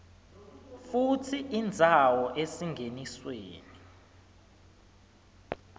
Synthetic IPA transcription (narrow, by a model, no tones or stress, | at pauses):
futʰiind͡zʱawɔʔesiŋɡʱenisweːni